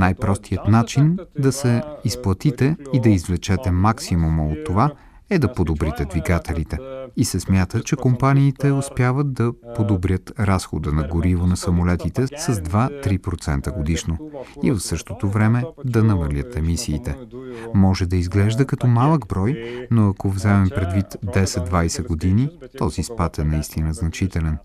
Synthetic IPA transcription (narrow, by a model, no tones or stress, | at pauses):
najpɾɔst̪ʰijət̪nat͡ʃind̪ɐsɛisplˠɐt̪it̪ɛid̪ɐizvlɛt͡ʃɛt̪ɛmaksimuməot̪ːova | ɛd̪ɐpod̪obɾit̪ɛd̪viɡat̪ʰɛlit̪ɛisɛsmʲjat̪ət͡ʃɛkompaniːt̪ɛospjavət̪̚d̪ɐpod̪obɾʲjət̪ɾasxo̰d̪ənɐɡoɾivonɐsɐmolɛt̪it̪ɛsɐzd̪vat̪ɾipɾot̪sɛnt̪əɡod̪iʃnoivɐfsɤʃt̪ot̪ovɾɛmɛd̪ɐnɐmɐlʲət̪ɛmisiːt̪ɛmɔʒɛd̪ɐizɡlɛʒd̪əkɐt̪ɔmalˠəɡbɾɔjnoɐkovzɛmɛmpɾɛd̪vit̪d̪ɛsɛd̪d̪vajsɛɡod̪init̪ɔzispat̪ɛnɐist̪inəznɐt͡ʃit̪ɛlɛn